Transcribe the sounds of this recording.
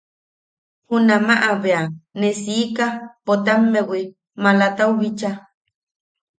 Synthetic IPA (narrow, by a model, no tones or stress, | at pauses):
hunamaʔaβeanesiːkapot̪amːewi | malat̪auɣit͡ʃa